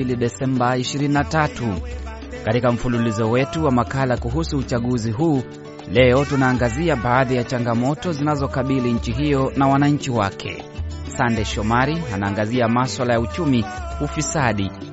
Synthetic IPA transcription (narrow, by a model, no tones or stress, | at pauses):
iliɗɛsɛmbaiʃiɾininatatu | katikam̩fululizɔwɛtuwamakalakuɦusuːt͡ʃaɠuziɦuː | lɛɔtunaːŋɡaziaɓaːðijat͡ʃaŋɡamɔtɔzinazɔkaɓiliɲ̩t͡ʃiɦijɔnawanaɲ̩t͡ʃiwakʰɛ̰ | sandɛʃɔmaɾianaːŋɡaziamaswalajaut͡ʃumiufisaɗi